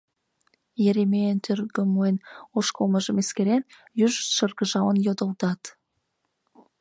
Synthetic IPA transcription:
jeɾemejənt̪ʰørɡəmoenoʃkolməʒəmeskeɾen | jyʒʃərɣəʒɑwənjod̪ə̆lt̪ɑt̪

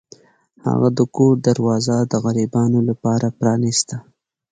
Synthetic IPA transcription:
ha̰ɣad̪əkud̪aɾwɑːzad̪əɣaɾibɑnolapɑɾapɾɑnɪst̪a

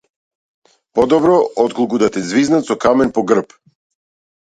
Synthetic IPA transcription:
pɔd̪ɔbɾɔɔt̪kolˠkud̪at̪ɛzviznat̪sɔkamɛnpɔɡr̩p

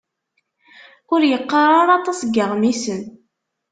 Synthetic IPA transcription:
ʊɾjəqːərˤɑɾˤɑt̪ˤɑsɡːəʁmisən

